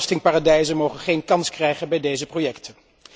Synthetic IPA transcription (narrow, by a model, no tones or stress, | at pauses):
stɪŋpaːrɑdɛjzənmowχənχejnkɑnskrɛjχənbɛjdejzəprojɛktʰən